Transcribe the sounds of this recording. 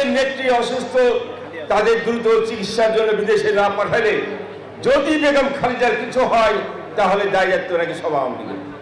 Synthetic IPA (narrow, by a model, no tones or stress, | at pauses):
net̪ːɾiɔʃust̪ʰo | t̪ad̪eɾd̪ɾut̪ot͡ɕikit̪ʃaɾd͡ʑonːobid̪eʃenapaʈʰajle | d͡ʑod̪ibekomkʰalid͡ʑaɾkit͡ɕʰuɦɔe | t̪aɦoled̪ajd͡ʑat̪ːoonakiʃɔbʱaa̰mnḭlḛ